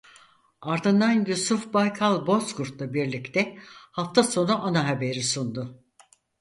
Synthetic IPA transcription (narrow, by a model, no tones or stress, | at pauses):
aɾd̪ɯnd̪anjusufbajkʰalˠbo̞skuɾt̪lˠabiɾlʲict̪ʰɛhaft̪ʰaso̞nuʔanaɦabe̞ɾisund̪ʊ